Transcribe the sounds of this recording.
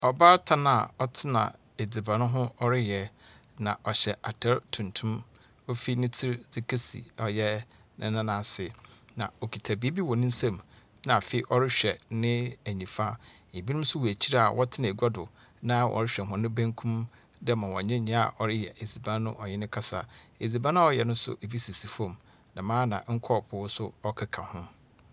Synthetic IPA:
ɔ˨baː˦tʰa˦nã˨ɔ˦tʰɪ˦nã̰˨ | e˨d͡zi˨bã˨nʊ̃˦ɦʊ̃˦ɔ˦ɾɪ˦jɛ˨ | nã̰˨ʔɔ˨ɕɛ˨ʔa˨tʰɛ˦ɾtʰũ˨ntʰũ˦m | o˦fi˦nɪ̃˦tʰɪ˦ɾd͡zɪ˦kʰe˦sḭ˨ɔ˨jɛ˦ | nɪ̰̃˨nã˦nã˨sɪ˨nã̰˨o˨kʰi˨tʰa˨bi˨˦e˦bi˦wɔ˨nɪ̃˦n̩˦sã˦˨m | nã˨fe˨i˦ʔɔ˦ɾɪ˦ɕᶣɛ˨nɪ̃˦æ˨ɲĩ˨fa˦ | e˨bi˦nʊ̃˦m̩˦sʊ˦wu˨æ˨t͡ɕʰi˦ɾa˦a˨wʔɔ˦tʰɪ˦nã˨ɡa˦dʊ˨ | nã˦wʔɔ̰˨ɾɪ˦ɕᶣɛ˨ɦʊ̃˨nɪ̃˦bæ̃˦ŋkʰũ˦m | dɛ˦mã˨wɔ˨ɲɪ̃˦ɲɪ̃˦a̰˨ʔɔ˨ɾɪ˦jɛ̰˨ʔe˨d͡zi˨bã˦nʊ̰̃˦ʔɔ˨ɲɛ˦nɪ̃˦kʰa˦sa̰˨e˨zi˨bã˦nʊ̃˦ɔ˦˨jɛ˨nʊ̃˦sʊ̰˦ʔe˨bi˦si˨si˨fɔ̃˦˨m | nã˨mãː˦nã̰˨ŋ̩˦kʰɔ˦˨pʰʊ˨wʊ˦sʊ˦ɔ˦kʰa˦kʰã̰˨hʊ̃˦

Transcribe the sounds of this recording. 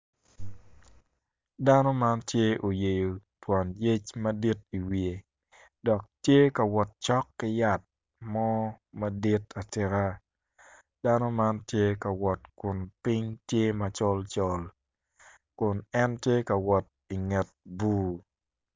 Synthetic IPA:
da˦no˦ma˦ntje˦o˨je˨jo˨twa˨nje˦t͡ʃma˦di˦t̚i˨wie˨ | dɔ˨k̚tje˦ka˨wɔ˨t̚t͡ʃɔ˦kːɪ˦ja˦t̚ | mɔ˦ma˦di˦ta˨tɪ˨ɾa˦ | d̥a˦no˦ma˦ntje˦ka˨wɔ˨tkʊ˨npi˦ŋtje˦ma˦t͡ʃɔ˦lt͡ʃɔ˦l | kʊ˨nɛ˦ntje˦ka˨wɔ˨t̚ | i˨ŋɛ˨t̚bu˦

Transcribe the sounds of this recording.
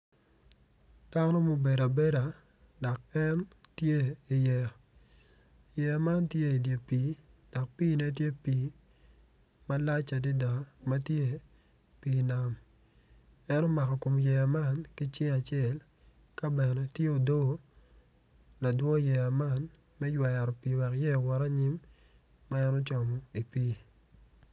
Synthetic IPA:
d̥a˦nɔ˦mo˨be˨ɾa˨be˦ɾa˨ | dɔ˨kɛ˦ntje˦i˨jɛ˨ | jɛ˨a˨ma˦ntje˦i˨dje˨pi˨˦d̥ɔ˨k̚piː˦nɛ˦t̬je˦piː˨˦ | ma˦la˦t͡ʃa˨di˦da˨ma˦tje˦ | piː˨na˨m | ɛ˦nɔ˦ma˨kɔ˨ko˨mjɛ˨ja˨ma˦˨nki˦t͡ʃɪ˦a˨t͡ʃjɛ˦˨l | ka˦bɛ˨nɛ˨tje˦o˨do˦ɡo˦ | la˨dwɔ˦jɛ˨a˨ma˦˨n | mɛ˦jwa˨ja˨ɾɔ˨pi˨wa˨kjɛ˦˨wɔ˨ɾa˦ɲi˦mː | a˦ɛ˦nɔ˦t͡ʃɔ˨mɔ˨i˨pi˦

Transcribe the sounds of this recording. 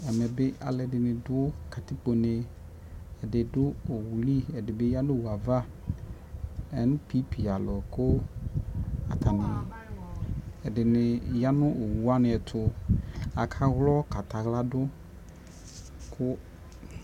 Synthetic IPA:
ɛ˨me˨be˦ʔa˨lɛ˨dɪ˨nɪ̃˨dʊ˦ka˨t̪i˦k͡po˨ne˨ | ɛ˨dɪ˨dʊ˦o˨wu˨li˦ɛ˨dɪ˨be˦ja˦nʊ̃˦˨wu˨a˨va˦ | ɛ˨nʊ̃˦pi˨˦pi˨a˨lɔ˨kʊ˦ | a˨t̪a˨nɪ̃˨ | ɛ˨dɪ˨nɪ˨ja˦nʊ̃˦o˨wu˨a˦nɪ̃˨ɛ˨t̪ʰʊ˨a˨kʰa˦ɣlɔ˦ka˨t̪a˨ɣla˦dʊ˦ | kʰʊ˦

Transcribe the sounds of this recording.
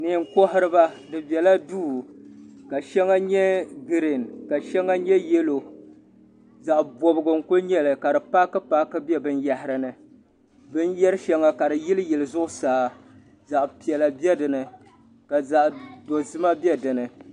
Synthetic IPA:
nɨ˨ŋ̩˦ko˦ɦɪ˦ɾɨ˦ba˦dɨ˨bɛ˨la˦duː˦˨ka˨ʃɛ˦ŋa˦ɲɛ˦ɡɨ˨ɾi˨nka˨ʃɛ˦ŋːa˦ɲɛ˦jɛ˦lo˨ | za˨ʔbo˨bɨ˨ɡɨ˨ŋ̩˨kʊ˦ɲɛ˦lɨ˨ka˨dɨ˨pa˦kɨ˦pa˦kɨ˦bɛ˦bɨ˦nja˦hɪ˨ɾɨ˨nɨ˨ | bɨ˦njɛ˦ɾɨ˦ʃɛ˦ŋːa˦ka˨dɨ˨ji˦lɨ˦jɛ˨lɨ˨zʊ˦ʔʊ˦saː˨˦ | za˨ʔpi˨ɛ˨la˨bɛ˦dɨ˨nɨ˨ | ka˨za˨ʔdo˨zɨ˦ma˦bɛ˦dɨ˨nɨ˨

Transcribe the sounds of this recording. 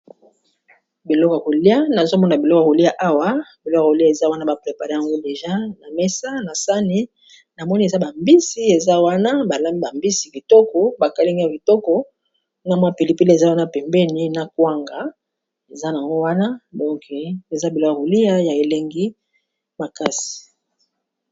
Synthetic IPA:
bi˨lɔ˦ka˨ko˨li˦a˦na˨zo˦mɔ˦n˨a˨bi˨lɔ˦ka˨ko˨li˦ja˨ʔa˦wa˦bi˨lɔ˦kko˨li˦a˦˨e˨za˦wa˦na˦ba˨pʁe˨pa˨ʁe˦a˨ŋɡo˦de˨ʒa˦na˨mɛ˦sa˦na˨sa˦ni˦ | na˨mɔ˦ni˦e˨za˦ba˨mbi˦si˦e˨za˦wa˦na˦ba˨la˦mbi˦ba˨mbi˦si˨ki˨tɔ˦kɔ˦ba˨ka˨li˦ŋɡa˨ki˨tɔ˦kɔ˨ | na˨mwa˦pi˨li˦pi˦le˨za˦wa˦na˦pɛ˨mbɛ˦ni˦na˨kwa˦ŋɡa˨ | e˨za˦na˨ŋɡo˦wa˦na˦dɔ̃˦kʰe˨e˨za˦bi˨lɔ˦ko˦a˨o˨li˦ja˦ja˨e˨le˦ŋɡi˦ | ma˨ka˦si̥˨

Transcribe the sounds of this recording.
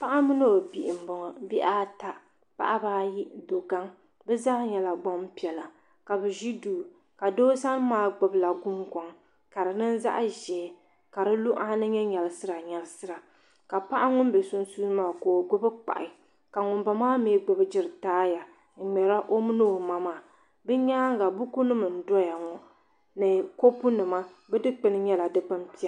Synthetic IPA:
pa˦ʔa˦mɨ˦no˦˨bi˨ʔɪ˨m̩˨bʊ˨ŋɔ˨bi˦ʔaː˦ta˨ | pa̰˦ʔa˦baː˦ji˦do˨ɡa˦ŋ | bɛ˦zaː˦ɲɛ˨la˨ɡ͡bɔ˦m˦pi˨ɛ˨la˨ | ka˨bɨ˨ʒi˦duː˨ | ka˨doː˦sa˦n˦maː˦ɡ͡bʊ˨bla˨ɡʊ˦mkɔ˨ŋ | ka˨ɾɨ˨nɨ˦n˦za̰˦ʔa˦ʒɛː˨ | ka˨ɾɨ˦lu˦ʔa˦nɨ˦ɲɛ˦ɲɛ˨lɨ˨sɨ˦ɾa˨ɲɛ˨lsɨ˦ɾa˨ | ka˨pa˦ʔa˦ŋʊ˦m˦bɛ˨sʊ˦n˦suː˦maː˦˨koː˨ɡ͡bʊ˦bɨ˦k͡pa̰˨ʔɪ˨ | ka˨ŋʊ˨mba˨maː˦meː˦ɡ͡bʊ˨bɨ˦d͡ʒɪ˦ɾɨ˨taː˦ja˨ | ŋ̩˨ŋ͡mɛ˨ɾa˦ʔo˦mɨ˦noː˦˨ma˦maː˨ | bɨ˦ɲa˦ŋɡa˨bʊ˦ku˦nɨ˦mɨ˨n̩˨˦dɔ˦ja˨ŋɔ˨ | nɨ˨ko˦pu˦nɨ˨ma˦ | bɛ˦dɨ˦k͡pɨ˦nɨ˦ɲɛ˦la˨dɨ˦k͡pa˦mpi˦a˦

